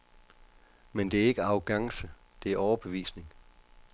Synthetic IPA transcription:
mend̥e̝æɐe̝ɡ̥əɑ̈ʊɡ̥ɑ̈ŋsə | d̥e̝æɐɒʊɐb̥e̝ʋḭːsne̝ŋ

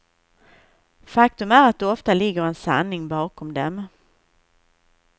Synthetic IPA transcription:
fakt̪ɵmæɾat̪̚d̪ɛɔft̪alɪɡːəɾɛnsa̰nːɪŋbɑːkʰɔmd̪ɛm

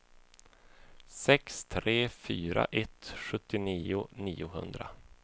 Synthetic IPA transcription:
sɛkst̪ʰɾeːfyːɾa̰ʔɛt̪ɧɵt̪ːɪniːʊniːʊɦɵ̰nd̪ɾa

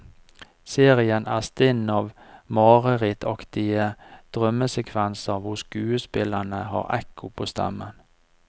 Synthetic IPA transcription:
seːʁɪənʔæːst̪ɪnɑːʋ | mɑːʁəʁɛːt̪ʰɑkt̪ɪəd̪̥ʁœməsɛkʰʋɛnsəʁʋʊskʉːəspɪlənəhɑ̰ːʁɛ̰kʰʊpʰoːst̪ʰɑ̰mən

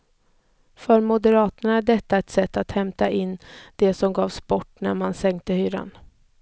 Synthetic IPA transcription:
fœɾmʊd̪ɛɾɑːt̪əɳaæɖɛt̪ːaɛt̪sɛt̪ːat̪hɛmt̪aʔɪnːd̪ɛsɔmɡɑːvspɔʈːnæ̰ɾmansɛŋk̚t̪əhyːɾa̰n

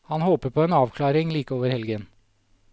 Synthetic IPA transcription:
hɑnhoːpəɾpʰɔeːnɑːʋkʰlɑːɾɪŋliːkəoːʋəɾhɛlɡən

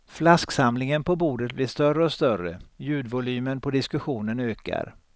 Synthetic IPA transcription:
flasksamlɪŋənpʰɔbuːɖət̪̚bliːʂt̪œrəɔst̪œɾə̰jʉ̟ːd̪vʊlyːmənpʰɔd̪ɪskɵɧuːnənøːka̰ɾ

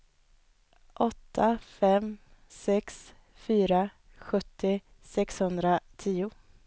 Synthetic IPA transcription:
ʔɔt̪ʰːafɛmsɛks | fyːɾa | ɧɵt̪ːɪ | sɛkshɵnd̪ɾat̪ʰiːʊ

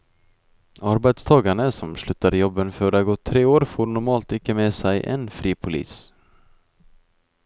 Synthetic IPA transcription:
aɾbet̪st̪ʰɑːɡaɳəsɔmslʉ̟ːt̪ːaɾjɔbːənføːɾaɡɔt̪ʰːɾeːoːɾfoːɾnʊɾmɑːlt̪ɪkːəmeːsɛjʔɛ̰nfɾiːpʰʊlḭːs

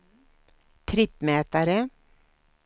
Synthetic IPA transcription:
t̪ʰɾɪpːmɛːt̪aɾə

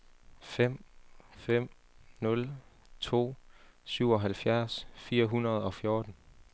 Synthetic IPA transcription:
fem̰fem̰ | nɔ̽l | t͡sʰo̝̰ːsyʊ̰ɒ̽ɦælfjæɐsfiːɐɦunɐð̞̩ˠɒ̽fjo̝ːd̥n̩

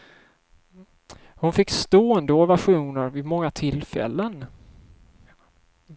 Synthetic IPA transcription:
hʊnfɪkːst̪oːənd̪əɔvæɧuːnəɾvɪmɔŋːat̪ʰɪlfɛ̰lːən

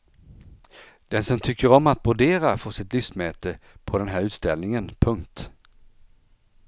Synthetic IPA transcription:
d̪̥ɛnsɔmt̪ʰʏkːəɾɔmat̪̚bʊɖeːɾafoʂɪt̪lʏfsmɛːt̪əpʰɔd̪ɛnɦæːɾʉ̟ːt̪st̪ɛlnɪŋənpʰɵŋkt̪

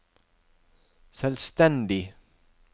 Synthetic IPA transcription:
sɛlst̪ɛnd̪ɪ

